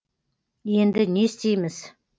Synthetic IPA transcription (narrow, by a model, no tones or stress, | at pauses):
jənd̪əɲist͡ɕiməs